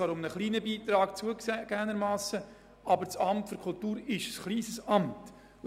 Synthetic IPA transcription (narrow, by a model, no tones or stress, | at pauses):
ɑːɾʊmnəχliːnəbiːt̪ɾɑːkt͡suəɡ̥æːnəɾmɑːsə | ɑbəɾt͡sɑmtfyɾkʰʊltuːɾɪʃəsχliːsəsɑmt | l